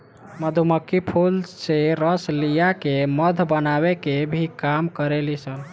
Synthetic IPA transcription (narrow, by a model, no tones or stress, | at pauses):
məd̪ʱuməkːipʰulseɾəslijakeməd̪ʱbənaβekebʱikamkəɾelisəl